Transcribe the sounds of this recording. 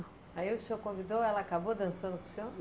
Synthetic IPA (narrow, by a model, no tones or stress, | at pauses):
aiusewkõvid̪oɛlɐaːkabod̪ɐ̃nsɐ̃nd̪uku̥se